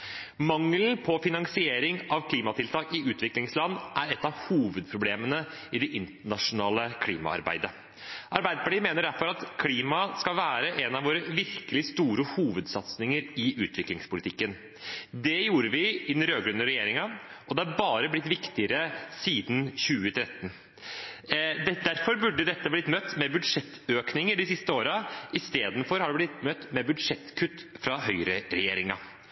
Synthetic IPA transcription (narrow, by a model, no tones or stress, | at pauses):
mɑŋln̩pʰɔfɪnɑŋsɪeːɾɪŋɑʋkʰliːmɑt̪ʰɪlt̪ʰɑːkɪʉːt̪ʋɪklɪŋslɑnːʔæɾɛt̪ːɑʋhuːʋəd̪̚pʰɾʊbleːmənə | ɪd̪ɛʔɪnt̪əɳɑʂʊnɑːləkʰlḭːmɑ̰ɑ̰ɾbæ̰ɪd̪ə | ʔɑɾbæɪd̪əpɑʈiːmeːnəɖæɾfɔɾɑt̪kʰliːmɑskɑʋæːɾəʔɛnɑʋoːɾəʋɪɾkəlɪst̪uːɾəhuːʋəd̪sɑt̪snɪŋəɾɪʔʉːt̪ʰʋɪklɪŋspʊlɪt̪ɪkːən | d̪ɛjuːɾəʋɪɪnɾøːɡɾʉnəɾɛjeːɾɪŋɑʔɔd̪ɛɑɾbɑːɾəblɪt̪ːʋɪkt̪ɪəɾəsiːd̪nçʉːət̪ʰɾɛt̪ːn | ɛd̪æɾfɔɾbʉɖːəd̪ɛt̪ːəblɪt̪mœt̪ːmɛbʉd̪ʂɛt̪ːøːknɪŋəɖɪsɪst̪əoːɾɑɪst̪eːd̪nfɔɾhɑɖɛblɪt̪mœt̪ːmɛbʉd̪ʂɛt̪ːkʰʉt̪ːfɾɑɦœʏɾəɾɛjeːɾɪŋɑ̰